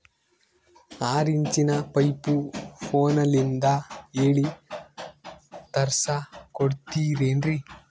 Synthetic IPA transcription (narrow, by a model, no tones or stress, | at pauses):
aːɾiɲt͡ʃinɐpɐjpupʰoːnɐlind̪ɐeːɭi | t̪ɐɾsɐkoɽt̪iːɾeːndɾi